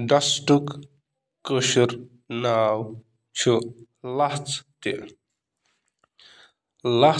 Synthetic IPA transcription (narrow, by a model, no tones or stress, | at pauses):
ɖɐsʈuk | kəʃuɾ | naːw | t͡ʃʰu | lɐht͡st̪e | lɐ